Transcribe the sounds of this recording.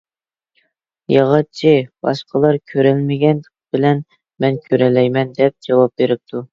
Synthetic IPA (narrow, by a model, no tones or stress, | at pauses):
jɑʁɑt͡ʃʰib̥ɑ̰ʃqʰəlˠɑɾkʲʰøɾɛlmɪɡʲɛnd̪əqbɪlɛn | mɛnkʲʰøɾɛlɛjmɛnd̪ɛp̚d͡ʒɑwɑp̚beɾɪp̚t̪ʰu